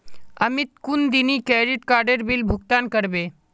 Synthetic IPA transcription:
əmit̪kund̪inikɛːɾiʈkaːɾɖəɾbilbʱʊk̚t̪aːnkəɾbeː

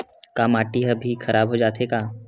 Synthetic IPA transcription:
kaːmaːʈiɦɐbʱixʰɐɾʔaːbɦod͡ʒaːt̪ekaː

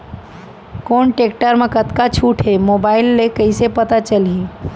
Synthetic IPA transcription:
konʈekʈəɾmekət̪kat͡ʃʰuʈʰɦemobailːekəisepət̪at͡ʃəlĩ

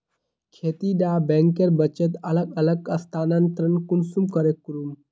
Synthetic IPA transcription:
kʰeːt̪iɖaːbẽŋkeɾbət͡ʃet̪ɐləɡ̚ɐləɡɐst̪ʰaːnant̪ɾənkunsumkəɾekːuɾum

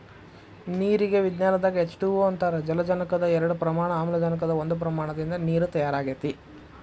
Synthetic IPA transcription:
niːɾiɡe̞ʋid̪njaːnɐd̪aːɡɐɦet͡ʃːʈuʋoːɐnt̪aːɾed͡ʒɐlɐd͡ʒɐnɐkɐd̪ɐɛɾɐɽupɾɐmaːɳɐaːmɐlɐd͡ʒɐnɐk̬ɐd̪ɐond̪up̬ɾɐmaːɳɐd̪ind̪ɐniːɾut̪ɐjaːɾaːɡet̪i

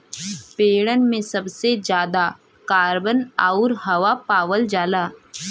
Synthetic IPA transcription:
peːɽənmẽsɐbsed͡ʒjaːd̪a | kaːɾbənaʊɾɦɐʋapaːʋəld͡ʒaːlaː

